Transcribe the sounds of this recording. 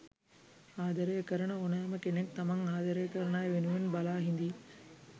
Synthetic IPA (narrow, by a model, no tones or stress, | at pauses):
aːd̪ɐɾəjəkəɾəɳəonajɐməkenekt̪amɐŋaːd̪ɐɾəjəkəɾəɳaːjʋenuʋenbalaːɦind̪i